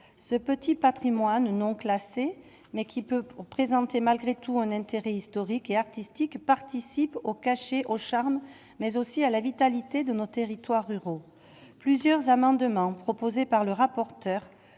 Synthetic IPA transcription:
səpət̪ʰipat̪χimwannɔ̃klase | mɛkʲʰipøpχezɑ̃t̪emalɡʁet̪uɛ̃nɛ̃t̪eʁɛist̪ɔʁikeaʁt̪ist̪ikpaʁt̪isipokaʃeʔoʃaʁm | mɛzosialavit̪alit̪ed̪ənot̪eʁit̪waʁːyʁo | plyzjœʁzamɑ̃d̪əmɑ̃pχɔpozepaʁləʁapɔʁt̪œʁ

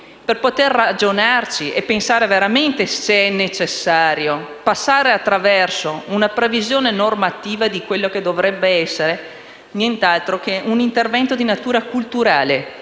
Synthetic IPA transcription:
perpot̪erːad͡ʒonart͡ʃiʔepːensaːɾeveɾament̪eseɛnːet͡ʃesːaːɾjo | pasːaːɾeat̪ːɾavɛrsounapɾevizjoːnenormat̪iːvad̪ikwelːoked̪ovɾɛbːeɛsːeɾe | njent̪alt̪ɾokeunint̪ervɛnt̪od̪inat̪uːɾakult̪uɾaːle

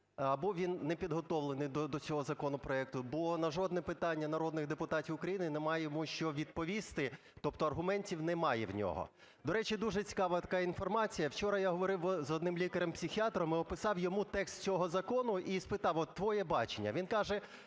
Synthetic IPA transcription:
ɐbɔʋʲinːɛpʲid̪ɦɔt̪ɔʋlˠenɪjd̪ɔd̪ɔt͡sʲɔɦɔzɐkɔnɔpɾɔɛk̚t̪ʊbɔnɐʒɔd̪nɛpɪt̪ɑnʲːɐnɐɾɔd̪nɪɣd̪epʊt̪ɑtʲiwʊkɾɐjinɪnɛmɑjɛjmuʃt͡ʃɔʋʲid̪̚pɔʋʲist̪ɪ | t̪ɔpt̪ɔɐrɦʊmɛnʲtʲiwnɛmɑjɛwnʲɔ̰ɦɔ̰ | d̪ɔɾɛt͡ʃʲid̪uʒɛt͡sʲi̥kɑʋɐt̪ɐ̥kɑinfɔrmɑt͡sʲijɐwt͡ʃɔɾɐjaɦɔʋɔɾɪwɔzɔd̪nɪmlʲikɐɾɛmpsʲixʲiɑt̪ɾɔmɪɔpɪsɑwjɔmut̪ɛkst̪t͡sʲɔɦɔzɐkɔnʊʔispɪt̪ɑwɔt̪ːʋɔjɛbɑt͡ʃenʲːɐ̰ʋʲinkɑʒɛ

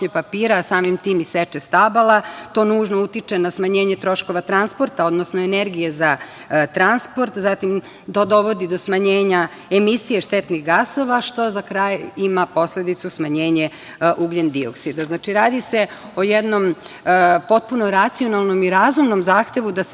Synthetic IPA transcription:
ɲepapiːɾasaːmimt̪iːmiset͡ʃest̪abalat̪o̞ːnuːʒnout̪it͡ʃenasmaɲeːɲet̪ɾo̞ʃko̞ʋat̪ɾanspo̞ɾt̪ao̞d̪nosnoene̞ɾɡije̞za | t̪ɾanspo̞ɾt̪zat̪im | t̪od̪o̞ʋo̞d̪id̪o̞smaɲeːɲa | emisije̞ʃt̪et̪niɣɡaso̞ʋaʃt̪o̞zakɾaːjimapo̞sled̪it̪susmaɲeːɲe | ʔuɡʎend̪io̰ksid̪aznaːt͡ʃiɾaːd̪ise | o̞jed̪no̞m | po̞t̪̚punoɾat̪sio̞nalˠno̞miɾazumno̞mzaːxt̪e̞ʋud̪as

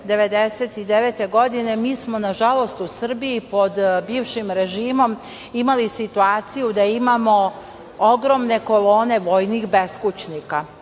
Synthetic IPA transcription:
d̪e̞ʋe̞d̪eset̪id̪eʋet̪e̞ɡo̞d̪ine̞miːsmo̞naʒalo̞st̪usr̩biipo̞d̪biːʋʃimɾe̞ʒiːmo̞m | imalisit̪uaːt̪sijud̪aimaːmo̞ | oɡɾo̞mne̞ko̞lo̞ːne̞ʋo̞jnixbe̞skut͡ʃnika

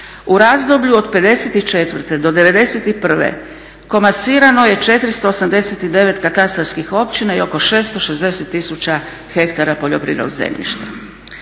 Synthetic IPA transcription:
uɾazd̪o̞bʎuo̞d̪pe̞d̪e̞set̪it͡ʃe̞t̪ʋr̩t̪ed̪o̞d̪e̞ʋe̞d̪e̞set̪ipr̩ʋḛ | ko̞masiːɾano̞je̞t͡ʃe̞t̪ɾist̪o̞ːsamd̪e̞set̪id̪e̞ʋe̞t̪kat̪ast̪ɾaɾskixo̞pt͡ɕinaio̞ko̞ʃe̞ːst̪o̞ʃezd̪e̞set̪ːisut͡ɕa | xe̞kt̪aɾapo̞ʎopɾḭːno̰zḛmʎḭʃt̪a

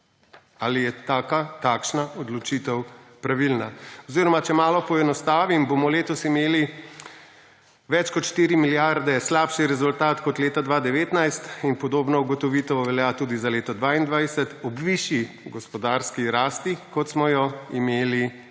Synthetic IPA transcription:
alijɛt̪aːkat̪akʃnaʔɔd̪lɔt͡ʃit̪ɛwpɾaʋilnaɔziːɾɔmat͡ʃɛmaːlɔpɔɛnɔst̪aːʋimbomɔleːt̪ɔsimeːli | ʋɛt͡ʃkɔt̪ʃt̪iːɾimiljaɾd̪ɛslaːpʃiɾɛzult̪aːt̪kɔt̪leːt̪ad̪ʋaːd̪ɛʋeːt̪najst̪inpɔd̪oːbnɔuɡɔt̪ɔʋiːt̪ɔoʋɛljat̪uːd̪izaleːt̪ɔd̪ʋaːind̪ʋajsɛt̪ɔbʋiʃi | ɡɔspɔd̪aːɾskiɾaːst̪ikɔt̪smɔjɔimeːli

